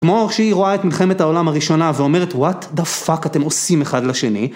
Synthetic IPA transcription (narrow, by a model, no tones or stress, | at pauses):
kmoaʁʃiiʁoaet̪milχe̞methao̞lamhaʁiʃo̞naveo̞meʁetwat̪d̪afakate̞mo̞simeχadlaʃe̞ni